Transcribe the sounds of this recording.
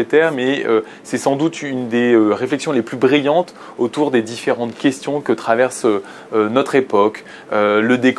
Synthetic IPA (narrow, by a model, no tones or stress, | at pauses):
et̪ɛʁmɛø | sɛsɑ̃d̪ut̪ynd̪eøʁeflɛksjɔ̃leplybʁijɑ̃t̪ | ot̪uʁd̪ed̪ifeʁɑ̃t̪kʲɛst̪jɔ̃kət̪χavɛʁsø | ønɔt̪χepɔk | øləd̪ek